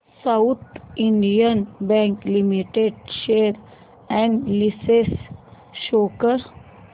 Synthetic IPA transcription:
saʊt̪ʰĩɳɖijənbɛ̃ŋklimiʈeɖʃeːɾ | ɛ̃ɳɖlises | ʃoːkəɾ

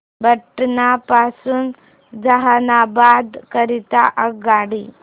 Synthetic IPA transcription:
bəʈːnapasuːn | d͡zaɦanabad̪kəɾit̪aʔəɡaɽi

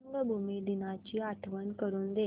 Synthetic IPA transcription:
ŋɡəbʱumid̪inat͡ɕiːaʈʰʋənkəɾuːnd̪e

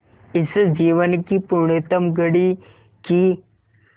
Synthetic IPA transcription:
isəd͡ʑiʋənkipuɾɳet̪əmɡəɽi | ki

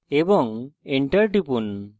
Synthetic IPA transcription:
ebɔŋeɳʈɐɾʈipun

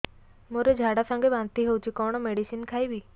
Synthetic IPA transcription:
moɾed͡ʒʱaɽasə̃ŋɡebãnt̪iɦewt͡ʃʰikɔɽ̃ɔmeɽisinkʰajbi

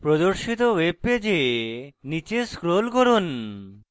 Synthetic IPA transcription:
pɾod̪oɾʃit̪owebed͡ʑenit͡ɕeskɾolkɔɾon

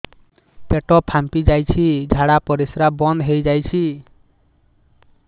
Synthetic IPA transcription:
p̪eʈɔpʰampid͡ʒajt͡ʃʰid͡ʒʱaɽapɔɾisɾabɔnd̪ɦejd͡ʒajt͡ʃʰi

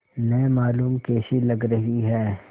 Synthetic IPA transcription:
nɐemaːluːmkeːsilɐɡɾɐɦiɦɛː

